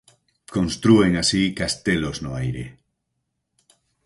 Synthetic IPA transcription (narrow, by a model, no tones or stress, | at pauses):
kõnst̪ɾueŋasikast̪eloznoajɾḛ